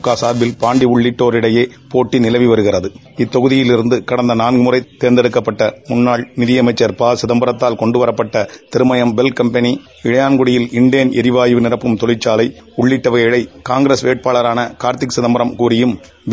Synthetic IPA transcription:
kːaːsaːɾʋɪlpaːɳɖiʊɭːɪʈːoːɾɪɽɐjeː | poːʈːɪnɪlɐʋiʋɐɾɯɣɪrɐðɯ | ɪt̪ːɔɣɯðɪjɪlɪɾɯnd̪ɯkɐɽɐnd̪ɐnaːnɡɯmʊrɐɪt̪ːeːɾnd̪ɛɽɯkːɐpːɐʈːɐmʊnːaːɭnɪðɪjɐmɐɪt͡ʃːɐɾpaːsɪðɐmbɐɾɐt̪ːaːlkɔɳɖɯʋɐɾɐpːɐʈːɐt̪ɪɾɯmɐjɐmbɛlkɐmpɐni | ɪɻɐjaːnɡʊɽɪjɪlɪɳɖɪjɐnɛɾɪʋaːjɪʋɯnɪrɐpːɯmt̪ɔlɪt͡ʃːaːlɐɪʊɭːɪʈːɐʋɐjɪɽɐɪkaːŋɡɾeːsʋeːʈ̚paːɭɐɾaːnɐkaːɾt̪ɪksɪðɐmbɐɾɐmkuːɾɪjɯm

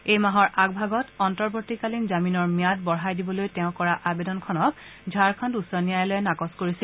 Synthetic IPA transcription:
ejmaɦɔɹʔaɡ̚bʱaɡɔtɔntɔɹbotikalinzaminɔɹmijat̚bɔɹɦajdibɔlojtɛʊ̃kɔɹaʔabedɔnkʰɔnɔk̚zʱaɹkʰɔ̃ndusanijajlojɛnakɔskoɹisil

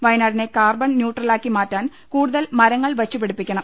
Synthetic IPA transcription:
ʋɐjnaːɾine̞kaːrbɐɳnjuːʈrɐlaːkːimaːtːaːn | kuːɽuðɐlmɐɾɐŋːɐɭʋɐt͡ɕːupeɽupːikʲːɐɳɐm

